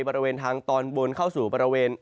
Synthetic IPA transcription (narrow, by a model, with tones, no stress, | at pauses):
jbɔː˧ɾi˧weː˧nt̪ʰaː˧ŋt̪ɔː˧nbo˧nkʰa˥˩wsuː˨˩bɔː˧ɾa˧weː˧n